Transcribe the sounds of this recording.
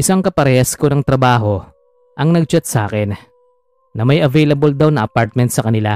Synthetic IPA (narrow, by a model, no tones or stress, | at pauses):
ʔɪsaŋkɐpɐɾɛɛsko̞nɐŋt̪ɾɐbaːɦo̞ | ʔɐŋnɐɡ̚t͡ʃɐt̪̚saːkɛnː | ɐmɐjʔɐvɛjlɐbold̪ɐwnɐʔɐpaɾt̪̚mɛnt̪sɐkɐnɪla